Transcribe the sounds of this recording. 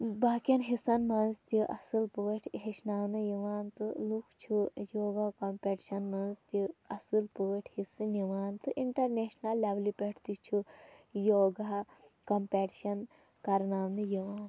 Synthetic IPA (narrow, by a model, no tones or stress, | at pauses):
baːkʲjɐnɦisɐnmɐnzt̪iʔɐsɨlpuɐʈʰɦeʃnaːwnɨjiʋaːnt̪ɨlukʰt͡ʃʰujoːɡakɐmpʲeːʈiʃɐnmɐnzt̪iɐsɨlpuːɐʈʰhisɨniʋaːnt̪ɨʔiɳʈɐɾneːʃnɐlːɐʋlipʲeʈʰt̪it͡ʃʰujoːɡakɐmpeːʈiʃɐn | kɐɾnaːwnɨjiʋaːn